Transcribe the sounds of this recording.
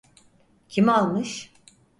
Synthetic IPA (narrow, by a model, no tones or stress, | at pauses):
cʰimalˠmɯʃ